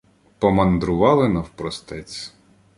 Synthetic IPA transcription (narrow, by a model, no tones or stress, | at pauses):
pɔmɐnd̪ɾʊʋɑlˠɪnɐwpɾɔst̪ɛt͡sʲ